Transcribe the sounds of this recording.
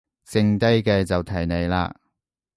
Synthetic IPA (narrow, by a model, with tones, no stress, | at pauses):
sɪ˧ŋt̪ɐ˥jkɛː˧t͡sɐ˨wt̪ʰɐ˨˩jne˨˧jla̰ː˧